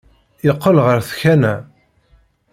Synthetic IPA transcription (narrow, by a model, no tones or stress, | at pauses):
jəqːəlʁəɾθçænæ